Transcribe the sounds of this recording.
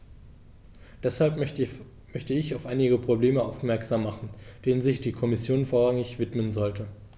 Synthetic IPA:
d̥ɛshalp | mœçtəɪçaʊfʔaɪnɪɡəpʁ̥obleːməʔaʊfmɛɐkz̥aːmːaχn̩d̥eːnənzɪçd̥iːkʰɔmɪsjoːnfoːɐʁaŋɪçv̥ɪtmənzɔltə

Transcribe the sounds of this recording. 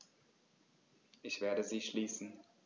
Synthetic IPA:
ʔɪçv̥eːɐɾəziːʃliːsn̩

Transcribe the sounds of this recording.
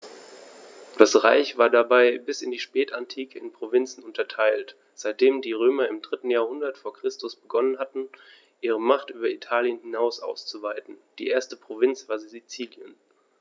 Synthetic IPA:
d̥asʁa̰ɪçv̥aːɐdabaɪbɪsɪndiːʃpɛːtantʰiːkʰəɪnpʁ̥ovɪnt͡sn̩ʊntɐtʰaɪlt | z̥aɪt̚d̥eːmdiːʁøːmɐɪmdʁɪtn̩jaːɐhʊndɐtfoːɐkʁ̥ɪstʊsb̥əɡɔnənhatn̩ | ʔiːʁ̞əmaχtʔyːbɐitʰaːljənhɪnaʊsʔa̰ʊst͡suvaɪtn̩d̥iːʔeːɐstəpʁ̥ovɪnt͡sv̥aːɐziːzit͡siːljən

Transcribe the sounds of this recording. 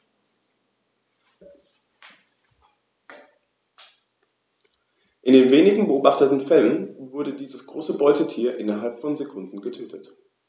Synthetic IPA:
ʔɪndeːnveːnɪɡŋ̩bəʔoːbaχtətn̩fɛlənvʊɐdədiːzəsɡ̥ʁoːsəbɔʏtətʰiːɐʔɪnɐɦalpfɔnzekʰʊndn̩ɡətʰøːtʰət

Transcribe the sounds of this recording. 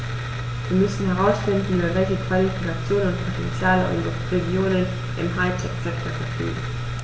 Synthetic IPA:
viːɐmʏsn̩ɦɛʁaʊsfɪndn̩yːbɐvɛlçəkv̥alifikat͡sjoːnʊntpʰotɛnt͡sjaːləʔɔ̰ɪzəʁeɡjoːnən | ʔɪ̰mɦaɪtʰɛkz̥ɛk̚tʰoɐfɛɐfy̰ːɡŋ̩

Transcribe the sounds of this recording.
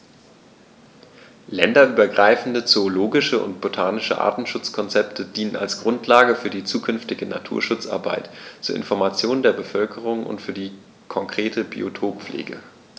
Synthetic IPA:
lɛndɐʔyːbɐɡʁaɪfn̩dət͡soːloːɡɪʃəʊ̰ntb̥otʰaːnɪʃə̰ʔa̰ːɐtn̩ʃʊt͡skʰɔnt͡sɛptʰədiːnəna̰lsɡ̥ʁʊntʰlaːɡəfyːɐdiːt͡suːkʰʏnftɪɡəna̰tʰṵːɐʃʊt͡sʔa̰ɐbaɪtt͡suːɐʔɪ̰nfɔɐmat͡sjoːndeːɐbəfœlkʰəʁ̞ʊŋʔʊ̰ntfyːɐdiː | kʰɔŋkʁ̥eːtʰəbḭo̰tʰoːpp͡flḛːɡə̰

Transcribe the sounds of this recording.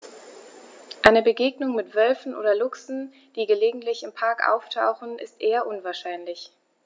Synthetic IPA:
ʔaɪnəbəɡeːɡnʊŋmɪtv̥œlfn̩ʔoːdɐlʊksn̩ | d̥iːɡəleːɡŋ̩tlɪçɪmpʰaɐkʔa̰ʊftʰa̰ʊxn̩ɪ̰stʔeːɐʔʊnvaːɐʃaɪnlɪç

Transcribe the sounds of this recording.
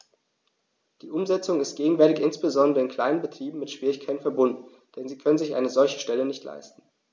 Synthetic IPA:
d̥iːʔʊmzɛt͡sʊŋɪst̚ɡ̥eːɡŋ̩vɛɐtɪçʔɪnsb̥əzɔndəʁəɪnkʰl̥aɪnənbətʁ̥iːbm̩mɪtʃv̥iːʁɪçkʰaɪtn̩fɛɐbʊndn̩ | d̥ɛnziːkʰœnənzɪçʔa̰ɪnəzɔlçə̥ʃtɛlənɪçtla̰ɪstn̩

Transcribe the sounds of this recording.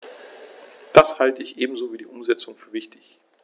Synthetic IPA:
d̥ashaltəɪçʔeːbm̩zoːviːdiːʔʊmzɛt͡sʊŋfyːɐvɪçtɪç

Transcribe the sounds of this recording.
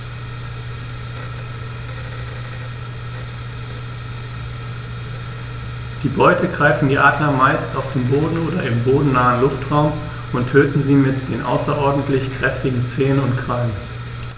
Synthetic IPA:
d̥iːbɔʏtʰəɡʁaɪfn̩diːʔaːdlɐmaɪstaʊfd̥eːmboːdn̩oːdɐɪmboːdn̩naːənlʊftʁ̥aʊm | ʔʊntʰøːtn̩ziːmɪtd̥eːnʔa̰ʊsɐʔɔɐdn̩tlɪçkʁ̥ɛftɪɡŋ̩t͡seːənʊntkʁ̥alən

